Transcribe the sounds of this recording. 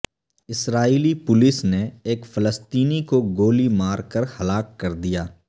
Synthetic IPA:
ɪsɾaːiːlipʊlɪsneeːkfɐləst̪iːnikoɡoːlimaːɾkəɾhɐlaːkːɐɾd̪ijaː

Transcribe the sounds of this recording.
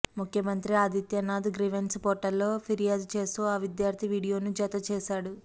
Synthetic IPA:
mukʰjɐmɐnt̪ɾiaːd̪it̪jɐnaːd̪ɡɾiʋenspoːʈːɐlːo̞ːpʰiɾijaːd̪t͡ʃe̞ːst̪uːaːʋid̪jaːɾt̪ʰiʋiːɽijo̞ːnud͡ʒɐt̪ɐt͡ʃeːʃaːɽu

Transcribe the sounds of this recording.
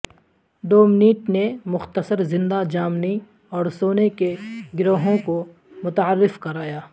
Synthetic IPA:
d̪oːmɪniːʈnemʊxt̪əsəɾzɪ̃nd̪ad͡ʒaːmni | ɔːɾsoːnekeɡɪɾoːɦõko | mʊt̪aəɾːɪfkɐɾaːjaː

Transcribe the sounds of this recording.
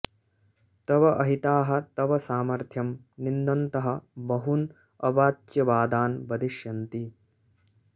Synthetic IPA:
t̪ɐʋɐʔɐɦit̪aːɦɐ̆t̪ɐʋɐsaːmɐɾt̪ʰjɐm | nind̪ɐnt̪ɐɦɐbɐɦun | ɐʋaːtjɐʋaːd̪aːnbɐd̪iʃjɐnt̪i

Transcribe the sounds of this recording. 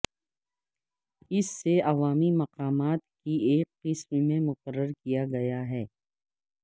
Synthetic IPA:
ɪsːeɐʋaːmimɐqaːmaːt̪kieːqːɪsmmẽmʊqəɾːəɾkijaɡɐjaɦɛː

